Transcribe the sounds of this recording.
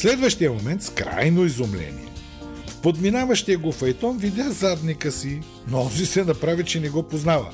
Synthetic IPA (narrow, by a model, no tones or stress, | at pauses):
slɛd̪vɐʃt̪ijɐmomɛnt̪skɾa̰jnoizomlɛ̰nḭɛ̰ | fpod̪minavɐʃt̪iəɡofɐjt̪ɔnvid̪ʲazad̪nikəsi | noɔzisɛnɐpɾavit͡ʃɛnɛɡɔpoznavə̰